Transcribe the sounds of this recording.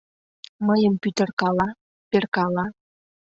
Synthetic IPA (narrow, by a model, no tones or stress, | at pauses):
məjəmpyt̪ərkɑlɑ | perkɑlɑ